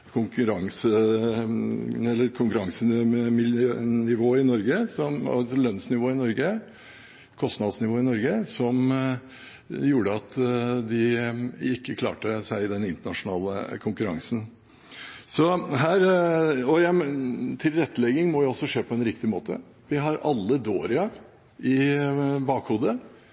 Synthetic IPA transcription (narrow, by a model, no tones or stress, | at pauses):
kʰʊŋkʉɾɑŋsə | ɛlːəkʰʊŋkʉɾɑŋsəmɪlnɪʋoːɪnɔɾɡəsɔm̰lœnsnɪʋoːɪnɔɾɡə | kʰɔst̪nɑd̪snɪʋoːɪnɔɾɡəsɔm | juːɖəɑt̪d̪ɪ | ɪkːəkʰlɑ̰ːʈəsæɪɪd̪ɛnɪnt̪əɳɑʂʊnɑːlə̰kʰʊŋkʉɾɑ̰ŋsən̩ | sɔɦæːɾɔjæɪt̪ʰɪlɾɛt̪ːəlɛɡɪŋmɔjʊɔsːɔʂeːpʰɔɛnɾɪk̚t̪ɪmoːt̪ʰə̰ | ʋɪɦɑɾɑlːəd̪oːɾɪɑ | ɪbɑːkhuːd̪ə